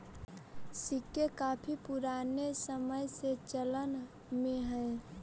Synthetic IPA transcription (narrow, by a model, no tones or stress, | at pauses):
sikːekapʰipuɾanesəməjset͡ʃələn | mẽɦɛ